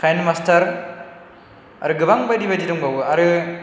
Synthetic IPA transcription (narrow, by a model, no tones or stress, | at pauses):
kʰajnmastʰɐɾ | a̰ɾɯɡɯbaŋbajdibadidɔŋbawɯɐɾɯ